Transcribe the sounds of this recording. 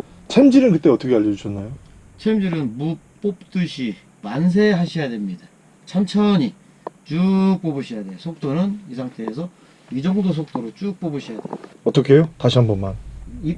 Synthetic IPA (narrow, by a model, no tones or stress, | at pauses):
t͡ɕʰemd͡ʑiɾɯnkɯt͈eʌt͈ʰʌkʰeaʎːʌd͡ʑuɕʰʌnːajo | t͡ɕʰemd͡ʑiɾɯnmup͈op̚t͈ɯɕʰi | mans̬ʰe̞ɦaɕʰijade̞mɲida | t͡ɕʰamt͡ɕʰʌɲi | t͡ɕuk̚p͈obɯɕʰijade̞josʰok̚t͈onɯnisʰaŋtʰe̞ːsʰʌ | id͡ʑʌŋdos̬ʰok̚t͈oɾot͡ɕuk̚p͈obɯɕʰijadeoʌt͈ʌkʰe̞jotaɕʰiɦanbʌnmani